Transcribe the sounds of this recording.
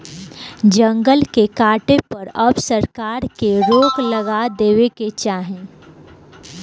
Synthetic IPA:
d͡ʒɐ̃ŋɡəlkekaːʈepɐɾɐbsɐɾkaːɾkeɾoːklɐɡad̪eːweket͡ʃaːɦẽ

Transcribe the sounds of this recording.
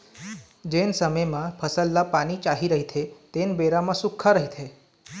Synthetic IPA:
d͡ʑensəməjmãpʰəsəlːapaɽ̃it͡ʃaɦiɾəɦit̪ʰet̪enbeɾamãsukʰːaɾəɦit̪ʰe

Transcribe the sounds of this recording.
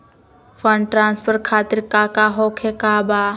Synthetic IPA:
fʰəɳɖʈɾãːnspʰəɾkʰaːt̪iɾkaːkaɦokʰekabaː

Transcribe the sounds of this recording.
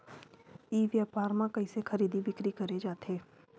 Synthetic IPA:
iːʋjaːpaːɾmãkɐisexɐɾiːd̪ibʱɪkɾikɐɾed͡ʒaːt̪eː

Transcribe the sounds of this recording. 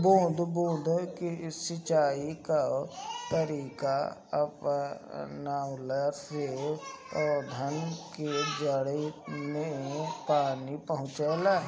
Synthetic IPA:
bõːd̪ʱbõːd̪ʱkisɪt͡ʃaːikat̪əɾiːkaəp | naʊlaɾse | ɔd̪ʱənked͡ʒəɽəimẽpaːnipəɦʊ̃t͡ʃeːla

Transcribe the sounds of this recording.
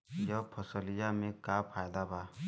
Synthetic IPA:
jɔpʰɔsɔlijamekapʰajd̪aba

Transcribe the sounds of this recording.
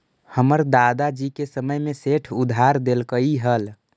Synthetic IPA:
həməɾd̪ad̪ad͡ʒikesəməjmeseʈʰud̪ʱaɾd̪elkəiɦəl

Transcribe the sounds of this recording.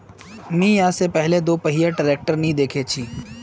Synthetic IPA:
mĩjãːsepɛɦled̪oːpɐɦijaʈəɾeːk̚ʈəɾnɐɦĩd̪eːkʰet͡ʃʰiː

